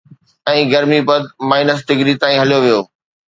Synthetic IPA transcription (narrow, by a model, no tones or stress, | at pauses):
ɛ̃ːɡɐɾmibɐd̪̚maːɪnəs̬ʈɪɡɾit̪aːĩɦɐlijoʋijoː